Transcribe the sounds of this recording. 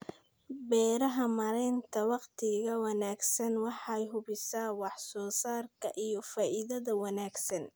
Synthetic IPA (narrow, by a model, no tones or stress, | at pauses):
bɛːɾɐɦɐmɐɾɛjnt̪ʰɐwɑqt̪ʰɪɣɐwɑnaːɡsɐnwɑħɑjɦʊβɪsaːwɑħsɔːsaːrkʰɐʔijɞfaːʔɪðɐðɐwɑnaːɡsɐn